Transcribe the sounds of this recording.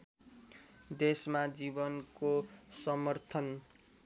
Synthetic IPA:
d̪esmad͡zibʌnko | sʌmʌrt̪ʰʌn

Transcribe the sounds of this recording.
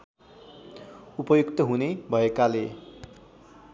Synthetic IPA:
upʌjukt̪ʌɦunebʱʌekale

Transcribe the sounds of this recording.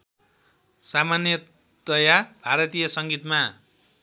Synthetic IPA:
samanjʌ | d̪̥ʌjabʱaɾʌt̪ijʌsʌŋɡit̪ma

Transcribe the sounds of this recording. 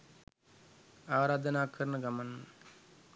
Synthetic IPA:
aːɾaːd̪ʱɐnaːkʰɐɾnɐɡɐmɐn

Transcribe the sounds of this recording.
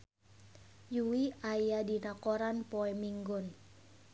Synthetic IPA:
juwiajadinakoɾanpɔɛmiŋɡʊn

